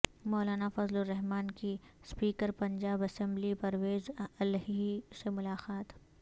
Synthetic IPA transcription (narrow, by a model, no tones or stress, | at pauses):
mɔːlaːnafɐzloɾɛɦmaːnkispiːkəɾpɐ̃ɲd͡ʒaːbɐsɛ̃mblipɐɾweːzɐlɦisemʊlaːqaːt̪